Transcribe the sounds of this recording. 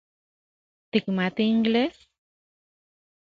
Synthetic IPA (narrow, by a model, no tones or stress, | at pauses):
t̪ikmat̪iːŋɡles